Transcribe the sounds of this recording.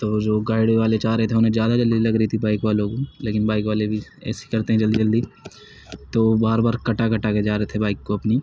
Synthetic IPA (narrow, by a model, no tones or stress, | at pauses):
t̪oːd͡ʒoːɡaːɪɽʋaːlet͡ʃaːɾəɦet̪ʰeʊnɦẽd͡ʒjaːd̪ad͡ʒɐld̪ilɐɡɾəɦit̪ʰibaːɪkʋaːlõkoleːkɪnbaːɪkʋaːlebʱiɛ̰ːsi̥kɐɾt̪eɦɛ̃d͡ʒɐld̪id͡ʒɐld̪iː | t̪oːbaːɾbaːɾkɐʈakɐʈaked͡ʒaːɾɐɦet̪ʰebaːɪkːoɐpni